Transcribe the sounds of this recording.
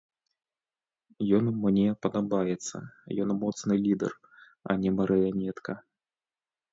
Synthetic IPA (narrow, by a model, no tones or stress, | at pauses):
jɔnmnʲɛpɐd̪abajɛt̪sːɐ̰jɔnmɔt̪snɨlʲid̪ɛ̰r | ɐ̰nʲɛmɐɾʔɨjanʲɛt̪kɐ